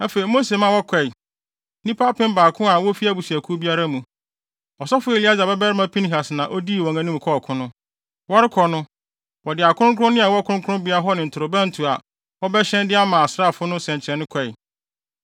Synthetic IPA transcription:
a˦fe˨i˨mo˦se˨mã˦˨wɔ˦kʰɛ˨j | nĩ˦pʰa˦pʰɪ̃˦m˦baː˨kʰʊ̃˦a˨wɔ˦fi˦a˨˦bu˨si˨æ˨kʰu˦bi˦a˦ɾa˦mũ˨ | ɔ˨sɔ˦fʊ˦e˨li˦a˦za˨bɛ˦bɛ˦ɾɪ˦mã˦pʰĩ˦n˦ɦa˨snã˨ʔɔ˦di˦˨wɔ̃˨ŋã˦nĩ˦m˨kʰɔ˦˨kʰʊ̃˦nʊ̃˦ | wɔ˦ɾɪ˦kʰɔ˨nʊ̃˦ | wɔ˨dɪ˨a˨kʰʊ̃˦ɾʊ̃˦kʰʊ˦ʊ̃˦nɪ̃˦a˨wɔ˦kʰʊ̃˦ŋ˦kʰʊ˦ʊ̃˦bi˦a˦ɾa˦ɦɔ˦nɪ̃˨n̩˨tʰʊ˨ɾʊ˨bã˦n̩˨tʰu˨a˨ | wɔ˦bɛ˦ɕɛ̃˦ndɪ˦a˦mãː˨sɾa˦˨fʊ˦nʊ̃˦sɛ̃˨ɲt͡ɕʰɛ˨nːɪ̃˦kʰɛ˨j

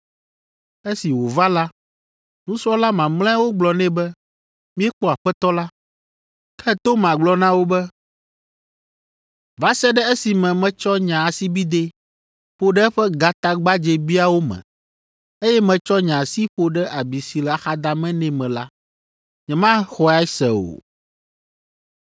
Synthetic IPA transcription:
e˦si˨wo˨va˦la˦ | nũ˦sɾɔ˦la˦mã˨ml̃ɛ̃˦a˦wo˦ɡ͡blɔ˨nɛ̃˦bɛ˦ | mĩ˦ɛ˦k͡pɔ˨a˨ɸɛ˦t̪ɔ˦la˦ | kʰɛ˦t̪o˦m˨ã˨ɡ͡blɔ˨nã˦wo˦bɛ˦ | va˦sɛ˦ɖɛ˦e˦si˨mɛ̃˨mɛ̃˨t͡ʃɔ˦ɲã˨a˨si˦bi˦d̪e˦ | ɸo˨ɖɛ˦ɛ˦ɸɛ˦ɡa˨t̪a˦ɡ͡ba˦d͡ʒɛ˨bi˦a˦wo˦mɛ̰̃˨ | e˦jɛ˦mɛ̃˨t͡ʃɔ˦ɲã˨si˦ɸo˨ɖɛ˦ʔa˨bi˨si˨lɛ˨a˨xa˨d̪a˨mɛ̃˦nɛ̃˨mɛ̃˨la˦ | ɲɛ̃˨mã˦xɔ˦a˦i˦sɛ̰˨o̰˨

